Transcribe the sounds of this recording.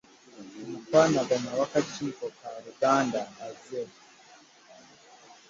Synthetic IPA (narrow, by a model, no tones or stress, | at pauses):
mutwanabamawakat͡ʃiːkokaɾuɡaːndaːze